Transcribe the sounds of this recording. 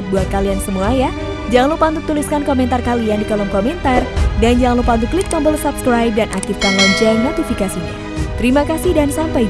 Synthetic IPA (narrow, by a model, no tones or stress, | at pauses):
t̪̚buat̪̚kaliansəmuaja | d͡ʒaŋanlupant̪ət̪ːuliskankomɛnt̪arkaliandikalɔŋkomɛnt̪ardand͡ʒaŋanlupaŋdiklit̪̚kambəlsapskɾajp̚danʔakt̪ifkanlaɲt͡ʃərnot̪ifikasiɲa | t̪əɾimakasihdansampaj